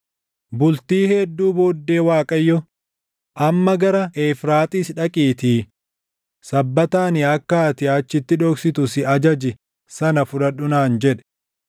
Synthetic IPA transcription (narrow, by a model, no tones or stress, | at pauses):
bʊlt̪iːhɛd̪ːuːboːd̪ːe̞ːwaːkʼɐjːɔ | ʔɐmːɐɡɐɾɐʔeːfɾaːt̪ʼiːsᶑɐkʼiːt̪iː | sɐbːɐt̪aːnɪɐkːaːt̪ɪɐt͡ʃːɪt̪ːɪᶑoːksɪt̪ʊsɪɐd͡ʒɐd͡ʒɪ | sɐnɐfʊᶑɐᶑʊnaːnd͡ʒɛᶑɛ̥